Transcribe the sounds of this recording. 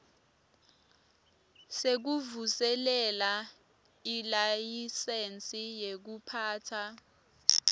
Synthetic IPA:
sek̬uvusɛlɛla | ilajisent͡sʼijek̬upʰaːtʰa

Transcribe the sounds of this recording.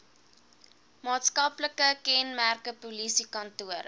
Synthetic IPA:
mɑːtskɐpləkəkɛnmærkəpulisikɐntuəɾ

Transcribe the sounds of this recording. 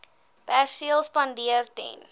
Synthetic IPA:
pærsiəlˠspɐndiərtɛ̰n

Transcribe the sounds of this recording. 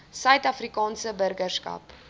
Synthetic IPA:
sœɥtɐfrikɑːnsəbərɡərskɐ̰p

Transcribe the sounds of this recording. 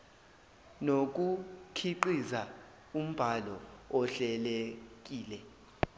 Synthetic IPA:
nok̬ukʰiǃiza | um̩b̥ʱalɔɔɬɛlek̬ʼiːlɛ

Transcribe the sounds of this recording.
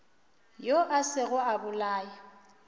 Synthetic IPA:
joʔasɪɣʊabʊlaːja

